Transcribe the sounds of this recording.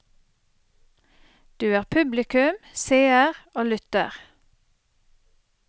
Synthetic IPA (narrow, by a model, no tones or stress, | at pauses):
d̪̥ʉːæːʁpʰʉblɪkʉmseːəʁoːlʏt̪ə̰ʁ